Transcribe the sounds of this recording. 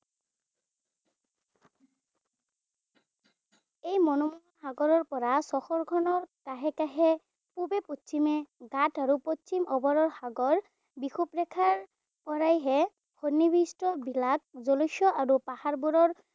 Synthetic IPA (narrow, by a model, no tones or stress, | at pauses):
ejmɔnɔmu | haɡɔɹɔɹpɔɹasɔxɔɹɡʰʱɔnɔɹkaɦɛkaɦɛ | pubeposimɛɡataɹupot͡ʃimʔɔbɔɹɔɹxaɡɔɹ | bixupɹɛkʰaɹ | pɔɹajɦɛ | hʰɔnːibistɔbilak̚zolɔjʃɔʔaɹupahaɹbuɾɔɹ